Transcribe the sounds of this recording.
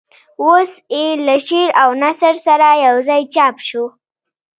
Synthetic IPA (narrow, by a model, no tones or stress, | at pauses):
wosjelaʃeɾawnasəɾsaɾajawzɑjt͡ʃɑpʃu